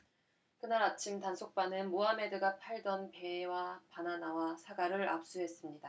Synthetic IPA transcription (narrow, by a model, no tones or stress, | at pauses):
kɯnaɾat͡ɕʰimtansʰok̚p͈anɯnmoɦame̞dɯɡapʰaɭdʌnpe̞wapananawasʰaɡaɾɯɾa̰p̚s͈uɦe̞s͈ɯmɲida